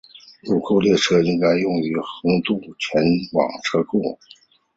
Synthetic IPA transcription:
ju˥˩kʰo˥˧ʊljɛ˥˩ʈ͡ʂʰɤ˥i˧˥ŋka˥ɪjʊ˥˩ŋy˧˥xɤ˧˥ŋt̪u˥˩t͡ɕʰɥɛ˧˥nwɑ̰˨˩ŋʈ͡ʂʰɤ˥kʰu˥˩

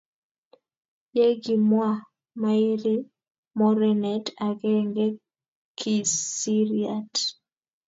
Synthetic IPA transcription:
je˦ɡi˨mwa˦ | ma˦i˦ɾi˦ | mɔ˦ɾɛ˨nɛ˨ta˨ɡɛ˦ŋɡe˦ | kʰi˨si˦ɾiat

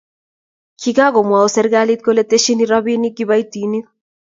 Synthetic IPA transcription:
kʰiɡa˦ɡɔ˨mwa˨ɔ˨sɛ˦ɾɡa˦lit̪̚ko˦lɛ˦t̪e˦ʃi˦ni˦ɾaβi˦ni˦ɡi˦βa˦jt̪i˨ni˦

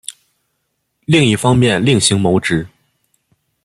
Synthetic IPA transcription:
li˥˧ŋi˥˩fɑ˥ŋmjɛ˥˧nli˥˩ŋɕi˧˥ŋmo˧˥ʊʈ͡ʂɻ̩˧˥

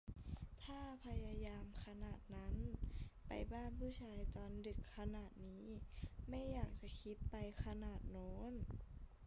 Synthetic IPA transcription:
t̪ʰaː˥˩pʰa˧ja˧jaː˧mkʰa˧naː˨˩t̪̚na˦˥npa̰˨jbaː˥˩npʰuː˥˩t͡ɕʰaː˧jt̪ɔː˨˧ndɯ˨˩kʰːa˧naː˨˩t̪̚niː˦˥ma˥˩jːaː˨˩k̚t͡ɕa˧˦kʰi˦˥t̪̚pa˧jkʰa˧naː˨˩t̪̚noː˨˦˥n

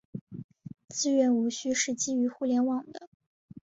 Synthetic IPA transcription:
t͡sɹ̩˥˧ɥɛ˥˩nu˧˥ɕy˥ʂɻ̩˥˩t͡ɕi˥y˧˥xu˥˩ljɛ˧˥nwɑ˨˩ŋd̪ə˦

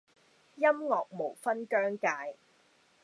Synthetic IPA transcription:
jɐ˥mŋɔː˨k̚mo˨˩wfɐ˥nkœː˥ŋkaː˧j

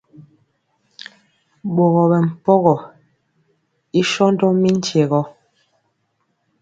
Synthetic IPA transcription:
ɓo˨ɣɔ˨bɛ˨m̩˨pɔ˦ɣɔ˨ | i˦ʃɔ˦n˦dɔ˦mi˦n̩˦t͡ʃje˨ɣɔ˦

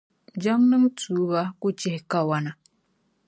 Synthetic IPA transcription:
d͡ʒa˦ŋnɨ˦ŋtuː˨˦βa˦ku˦t͡ʃi˦hka˦wa˦na˨

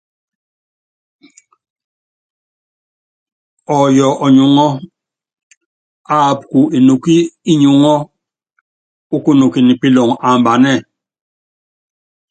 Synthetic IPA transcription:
ɔ˨jɔ˨ʔɔ˨ɲu˨ŋɔ˦ | a˦˨p̚ku˨i˨nu˨ki˦i˦ɲu˨ŋɔ˦ | u˦ku˦nu˨ki˨ni˨pi˦lɔ˨ŋa˨mba˨nɛ˦˨

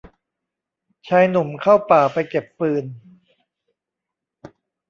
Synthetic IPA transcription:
t͡ɕʰaː˧jnu˨˩˦mkʰa˥˩wpaː˨˩pa˧jke˨˩pːɯː˧n

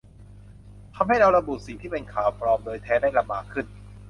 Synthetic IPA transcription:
t̪ʰa˧mɦa˥˩jɾa˧wɾa˧bu˨˩si˨˩˦t̪ʰiː˥˩pe˧nkʰaː˩˦wpɾɔː˧mdɤː˧jt̪ʰɛː˦˥da˥˩jla˧mːaː˧kʰːɯ˥˩n

